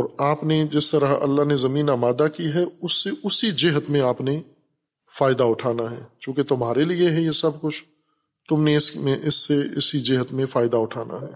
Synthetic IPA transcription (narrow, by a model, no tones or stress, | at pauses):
ɔːɾaːpned͡ʒɪst̪ɐɾəɦɐ̰lːaɦnezɐmiːnaːmaːd̪akiɦɛʊsːeʔʊsid͡ʒɪɦət̪mẽaːpne | faːɪd̪aʊʈʰaːnaɦɛːt͡ʃjõːket̪ʊmɦaːɾelieɦɛjesɐb̚kʊt͡ʃʰ | t̪ʊmnẽɪsmẽʔɪsːeɪsid͡ʒɪɦət̪mẽfaːɪd̪aʊʈʰaːna̰ɦɛː